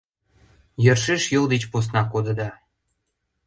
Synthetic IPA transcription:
jərʃeʃjəld̪et͡ɕpos̬nɑkod̪ə̆d̪ɑ

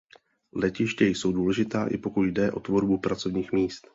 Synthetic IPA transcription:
lɛcɪʃcɛjso̞wduːlɛʒɪt̪aːʔɪ̰po̞kut̪jdɛʔo̞t̪vo̞ɾbupɾat͡so̞vɲiːxmiːst̪

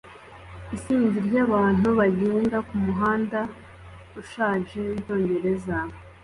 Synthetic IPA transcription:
isiːɲɟiɾjaβaːn̥uβaɟeːŋɡakumuɦaːnda | uʃaːʒe̞into̞ːɲɟe̞ɾe̞za

